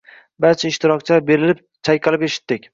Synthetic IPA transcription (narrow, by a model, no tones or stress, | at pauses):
baɾt͡ʃʰaɪʃt̪ɪɾɒk̚t͡ʃʰabe̞ɾɪlɪp̚ | t͡ʃʰajqɨlˠɪpeʃɪ̥t̪ːɪkʲ